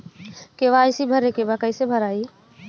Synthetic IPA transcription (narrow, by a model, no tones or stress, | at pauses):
keʋaɪsibʱəɾekebakəisebʱəɾaːi